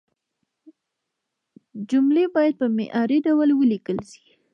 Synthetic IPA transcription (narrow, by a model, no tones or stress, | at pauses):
d͡ʒumlebɑjad̪̚pəmḛʔɑɾeɖawəlwəlikəlʃi̥